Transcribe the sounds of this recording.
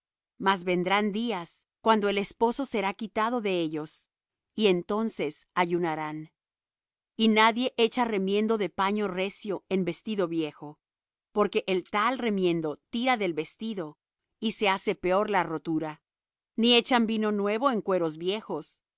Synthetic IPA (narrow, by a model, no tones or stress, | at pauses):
mazβe̞nd̪ɾand̪ias | kwand̪o̞e̞le̞spo̞so̞se̞ɾakit̪aðo̞ðe̞e̞ʝo̞s | ie̞nt̪o̞nsesaʝunaɾan | inaðje̞ʔe̞t͡ʃare̞mje̞nd̪o̞ðe̞paɲo̞re̞sjo̞e̞mbe̞st̪iðo̞βje̞xo̞ | po̞ɾke̞ʔelt̪alre̞mjẽ̞nd̪o̞t̪iɾaðe̞lβe̞st̪iðo̞ | ise̞ase̞pe̞o̞ɾlaro̞t̪uɾa | nie̞t͡ʃambino̞nwe̞β̞o̞e̞ŋkwe̞ɾo̞zβje̞xos